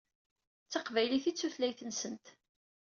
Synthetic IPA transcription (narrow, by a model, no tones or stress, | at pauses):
t͡sːɑqvæjliθit͡sːuθlæjθənsənt̪